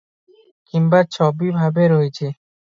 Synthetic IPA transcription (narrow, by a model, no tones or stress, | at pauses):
kimbat͡ɕʰɔbibʱabeɾoet͡ɕʰe